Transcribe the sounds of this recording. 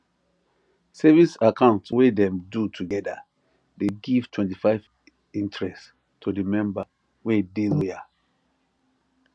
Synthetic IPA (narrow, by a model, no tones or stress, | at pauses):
sɛvisakãʊ̃ntwedɛ̃mdutʰuɡɛda̰ | deɡiv̥twɛ̃ntifaɪv | ĩntɹɛs | tʰudimɛ̃mba | wedeloja